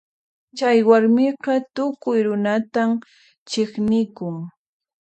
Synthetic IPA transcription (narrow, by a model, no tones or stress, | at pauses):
t͡ʃajwaɾmɪqɑt̪ʊkʊjɾʊnat̪am | t͡ʃɪχnɪkʊŋ